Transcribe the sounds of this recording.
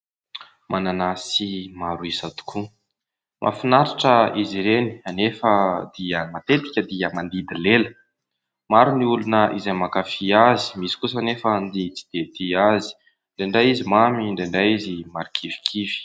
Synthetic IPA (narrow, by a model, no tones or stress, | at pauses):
mʔananasimaɾuisat̪u̥kʰu | mʔa̰finaɾiʈ͡ʂəiziɾeni̥anefəd̪iəmat̪et̪i̥kʲəd̪iəmand̪id̪ilelə | maɾuniulunəʔizamakafiazi̥misi̥kusanefənd̪it͡si̥d̪̥et̪iazi̥ | ɳɖ͡ʐeɳɖ͡ʐajizimamiɳɖ͡ʐeɳɖ͡ʐajizimaɾikʰivi̥kʰivi̥